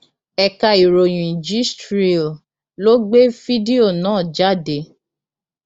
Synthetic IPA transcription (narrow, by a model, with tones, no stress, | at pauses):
ɛ˨ka˨i˨ɾo˨j̃ũ˨ĩ˨d͡ʒi˦stɾi˦o˨ | lo˦ɡ͡be˦fi˦de˦o˦˨nãː˦˨d͡ʒa˦˨de˨˦